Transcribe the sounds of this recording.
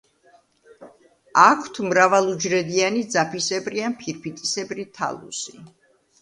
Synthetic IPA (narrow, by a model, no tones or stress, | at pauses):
akʰw̥t̪ʰmɾavalˠud͡ʒɾɛd̪ianid̪zapʰisɛbɾianpʰiɾpʰit̪ʼisɛbɾit̪ʰa̰lˠṵsi